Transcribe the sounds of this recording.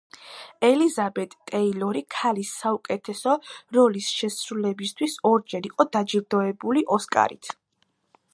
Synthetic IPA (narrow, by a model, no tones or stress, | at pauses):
ɛlizabɛt̪ʼt̪ʼːɛilɔɾikʰalisːaukʼɛt̪ʰɛsɔɾɔlisʃɛsɾulɛbist̪ʰwisɔɾd͡ʒɛɾiqʼɔd̪ad͡ʒiɾd̪ɔɛbuliʔɔskʼa̰ɾḭt̪ʰ